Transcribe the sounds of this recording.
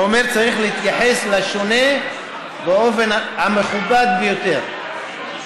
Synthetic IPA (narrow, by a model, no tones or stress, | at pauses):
omeʁt͡saʁiχleit̪jaħeslaʃone | beo̞fenhameχubad̪̚bejot̪eʁ